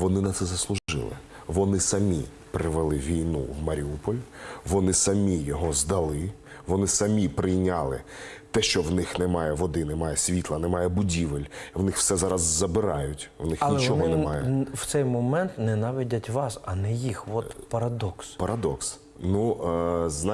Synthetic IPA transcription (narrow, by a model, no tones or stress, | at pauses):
ʋɔnɪnɐt̪sɛzɐslˠʊɪ̰lˠɪ̰ | ʋɔnɪsɐmʲḭ | pɾɪʋelˠɪʋʲijnṵʋmɐɾʲiupɔlʲʋɔnɪsɐmʲijɔɦɔzd̪ɐlˠɪ | ʋɔnɪsɐmʲipɾɪjnʲɑlˠɪ̰t̪ɛʃt͡ʃɔʋnɪxnɛmɑjɛʋɔd̪ɪnɛmɑjɛsʲʋʲit̪lˠɐnɛmɑjɛbʊdʲiʋɪlʲwnɪxw̥sɛzɑɾɐzːɐbɪɾɑjʊtʲʋnɪxɐlniɛɛt͡ʃɔɦɔnɛmɑjɛwt̪sɛjmɔmɛnt̪nɛnɑʋʲidʲɐtʲʋɑsɐnɛjixʋɔpɐɾɐd̪ɔkspɐɾɐd̪ɔks | nuzn